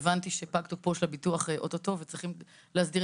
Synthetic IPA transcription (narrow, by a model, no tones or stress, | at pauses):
vantiʃepaktok̚poʃlabituaχeʔototo̞vet͡sʁiχim | lehasdiʁ